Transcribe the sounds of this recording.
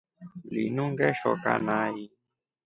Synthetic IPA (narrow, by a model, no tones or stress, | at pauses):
lḭnũŋɡɛʃɔ̰ka̰naji